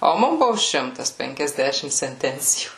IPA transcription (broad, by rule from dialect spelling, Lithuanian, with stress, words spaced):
oː ˈmʊm ˈbʊʋoː ˈʃʲɪmtɐs pʲɛŋʲkʲɛzʲˈdʲæːʃʲɪm sʲɛnʲˈtʲɛnʲt͡sʲɪjuː